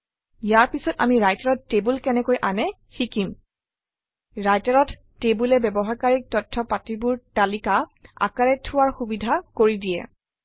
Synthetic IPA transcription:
jaɹpisɔta̰miɹajtaɹɔtːebulkɛnɛkojʔanɛ | xikim | ɹajtaɹɔtːebulɛbɛbɔɦakaɹik̚tɔtʰːɔpatibʊɹtalikaa̰kaɹɛtʰːʊwaɹxubidʱakoɹidijɛ̰

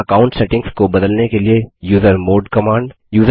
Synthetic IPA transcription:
ɐkaːʊ̃ɳʈseʈɪ̃ŋskobɐd̪əlnekeliejuːzəɾmoːɖkɐmãːɳɖ | juːz

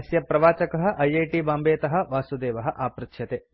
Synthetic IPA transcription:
sjɐpɾɐʋaːt͡ʃɐkɐɦɐ̆ʔɐjɐjʈibaːmbeːt̪ɐɦɐ̆ʋaːsud̪eːʋɐɦɐ̆ʔaːpɾɨkʃʰjɐt̪eː

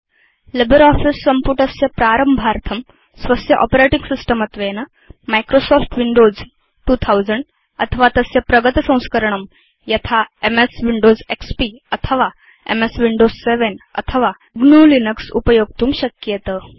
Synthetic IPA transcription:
lebəɾɔfisːəmpuʈəsjəpɾaɾəmbʱaɾt̪ʰəm | sʋəsjəʔɔ̰peɾeʈĩŋɡsisʈəmət̪ʋenə | majkɾosɔfʈʋiɳɖod͡z | ʈuːt̪ʰawd͡zəɳɖ | ət̪ʰəʋat̪əsjəpɾəɡət̪sə̃w̃skəɾɳ̃əm | jɐt̪ʰaemesʋiɳɖod͡zekspiət̪ʰəʋa | ḛmesʋiɳɖozseʋenə̰t̪ʰəʋa | ɡnuːlinəksṵpəjoɡ̚t̪uːmɕəkjet̪ə

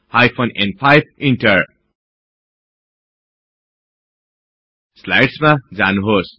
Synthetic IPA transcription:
hajpʰonḛnpʰajb̚iɳʈʌɾ | slajʈsmad͡zanuɦos

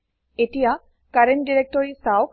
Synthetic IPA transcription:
etija | kaɹen̚diɹek̚tɔɹisawk

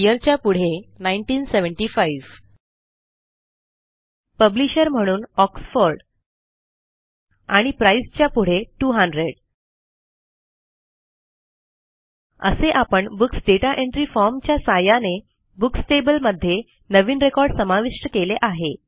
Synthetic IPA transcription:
jəɾt͡ɕjapuɽ̤enaiɳʈiːnseʋəɳʈifaiʋ | pəbliɕəɾm̤əɽ̃uːnɔksfoɾɖ | aɽ̃ipɾaist͡ɕjapuɽ̤eʈuːɦəɳɖɾeɽ | ə̰seʔapəɳbuksɖeʈaʔeɳʈɾifɔɾmt͡ɕjasajane | buksʈebəlməd̪ʱːje | nəʋiːnɾekɔɾɖsəmaʋiʂʈəkeleʔaɦe

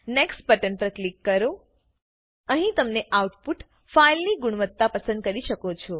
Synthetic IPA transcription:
neksʈ̚pəʈənpɾəklikːəɾo | əɦĩt̪əmneʔauʈpuʈ | failniɡʊɽ̃ʋət̪ːapəsə̃nd̪̚kəɾiʃəkot͡ʃʰo

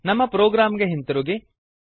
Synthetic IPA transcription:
nɐmːɐpɾoːɡɾaːmɡeɦint̪ɐɾuɡe

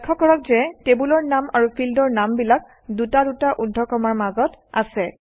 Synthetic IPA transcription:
kʰːɔkɔɹɔkzɛtebulɔɹnamaɹupʰildɔɹnambilak̚ | dutadutaʔudʱːɔkɔmaɹmazɔta̰sɛ

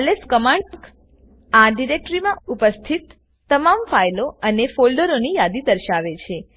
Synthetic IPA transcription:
leskəmaɳəkʰ | aɖiɾek̚ʈɾimãupəst̪ʰit̪ː | əmamfajloənefolɖəɾonijad̪id̪əɾʃaʋet͡ʃʰe

